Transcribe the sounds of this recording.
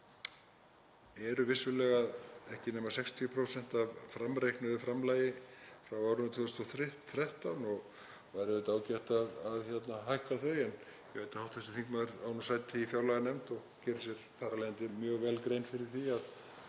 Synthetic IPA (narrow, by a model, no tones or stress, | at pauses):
ɛɾʏvɪsʏlɛɣaðɛhcɪnɛːmḁsɛkst̪ʰipʰɾowsɛn̥t̪avfɾamɾejknʏðʏfɾamlajɪfɾawawɾʏmt̪ʰvɔst̪ɔθɾɪht̪θɾɛht̪anɔɣ | vajɾɪvɪt̪aːwcɛht̪aðaðçɛt̪naɦajhkaθœɥɛnjɛheːjt̪ḁhawt̪θɛsɪ̥θiŋkmaðɾawnʏsaːjt̪iifjawlaɣanɛmt̪ɔɣcɛːɾɪsjɛɾ̥θaːɾalejant̪ɪmjœːɣvɛlkɾejnfɪɾɪɾ̥θiað